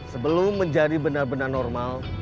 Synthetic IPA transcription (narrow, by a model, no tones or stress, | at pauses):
səbəlʊmːəɲd͡ʒadibənarbənarnɔrmal